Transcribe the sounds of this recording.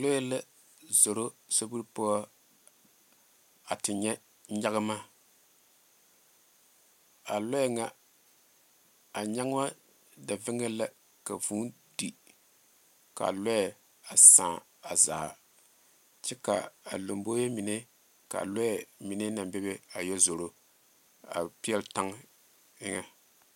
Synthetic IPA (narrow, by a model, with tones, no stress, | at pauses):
lo˦jɛ˦la˦ | zo˨ɾo˦so˦bu˦ɾpo˦ɔ˦ | a˨tɪ˨ɲɛ˦ | ɲa˦ɣɨ˦ma˦ | a˨lo˦jɛ˦ŋa˦ | a˨ɲa˦ŋ˦a˦ | da˨vɪ˦ŋe˦la˦ | ka˨vuː˦ | di˨ | ka̰˨lɔ˦jɛ˨ | a˨sãː˨ | a˨za̰ː˨ | t͡ʃɛ˦ka̰˨a˨lo˨mbo˦jɛ˦mi˨ne˦ | ka̰˨lɔ˦ɛ˨mi˨ne˦na˨mbɛ˦be˦a˨jɛ˦zo˨ɾo˦ | a̰˨pi˦ɛ˦lta˦ŋ | ɪ˦ŋa˦